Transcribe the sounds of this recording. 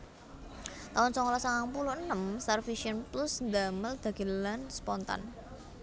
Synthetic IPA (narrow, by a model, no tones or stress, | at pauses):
t̪awʊnsɔŋlɔsaŋaŋpuluənːəmsɛrfiʃiənplusnd̪aməld̪̥a̤ɡ̥i̤ləlanspɔnt̪a̰n